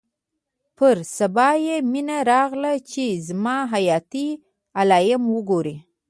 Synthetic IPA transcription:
pəɾsabɑjeminaɾɑɣlat͡ʃezmɑɦajɑt̪i | alɑjɪmwəɡoɾi

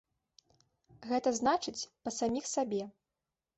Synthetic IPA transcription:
ɣɛt̪ɐznat͡ʂɨt͡sʲpɐsamʲixsabʲɛ

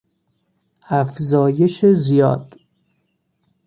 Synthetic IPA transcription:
æfzɒːjeʃezijɒ̰ːd̪̥

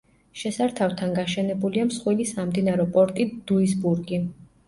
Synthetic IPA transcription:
ʃɛsaɾt̪ʰavt̪ʰanɡaʃɛnɛbuliamsχwilisamd̪inaɾɔpʼɔɾt̪ʼid̪̥uisbuɾɡi

